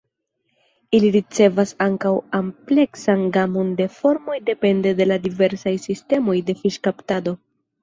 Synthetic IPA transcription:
iliɾit͡se̞vasaŋkawample̞ksanɡamo̞nde̞fo̞ɾmo̞jde̞pe̞nde̞de̞ladive̞ɾsajsiste̞mo̞jde̞fiʃkaptado̞

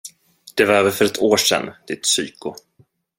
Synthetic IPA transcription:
d̪̥ɛvaɾɛːvəɾfœɾɛt̪ʰoːʂɛ̰nːd̪̥ɪt̪syːkʊ

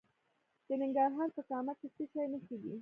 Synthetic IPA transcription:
d̪̥ənɪŋɡɑɾɦɑɾsəkɑmat̪̚ist̪iʃɑjnəkeːɡḭ

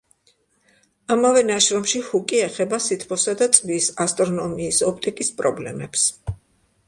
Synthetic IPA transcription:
amavɛnaʃɾɔmʃihukʼiɛχɛbasit̪ʰpʰɔsad̪at̪sʼvisast̪ʼɾɔnɔmiːsɔp̚ʰt̪ʼikʼispʼɾɔblɛ̰mɛps

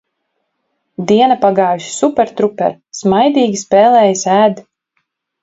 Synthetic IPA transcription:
d̪iɛnɐpaɡɑːjuʃsupʲɛɾt̪ɾupɛ̰ɾ | smajd̪iːɡʲispeːlˠɛːjasæːd̪

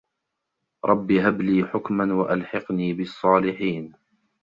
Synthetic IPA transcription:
ɾˤɑbːiɦabliːħʊkmanwaʔalħɑqniːbɪsˤːɑːlɪħiːn

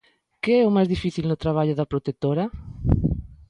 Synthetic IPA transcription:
keɛʊmajzðifiθilnʊt̪ɾaβ̞aʎʊðɐpɾot̪et̪oɾɐ

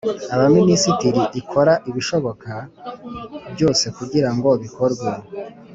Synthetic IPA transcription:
aβaminisitiɾiʔikʰo̞ɾaʔiβiʃo̞βo̞ka | bjo̞ːse̞kuɟiɾaŋɡo̞βiko̞ɾɡwa

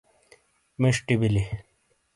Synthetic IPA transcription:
meʂʈibili

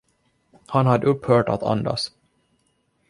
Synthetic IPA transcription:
hanhad̪ːəɵpːhœːʈa̰t̪ʰa̰nd̪a̰s

